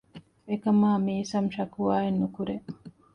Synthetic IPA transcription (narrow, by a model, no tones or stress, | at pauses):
ekɐmaːmiːsɐmʃɐkuaːenːukuɾe